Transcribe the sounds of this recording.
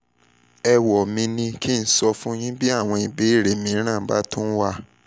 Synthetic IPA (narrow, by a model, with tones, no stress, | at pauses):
ɛ˧wɔ˨mĩ˧nĩ˧ki˦n̩˦sɔ˧fũ˦j̃ĩ˦bi˦a˦˨w̃ɔ̃˧i˨be˨˦i˦˨ɾe˨mĩ˧˦ɾ̃ã˦˨˦ba̰˦tũ˦wa˦˨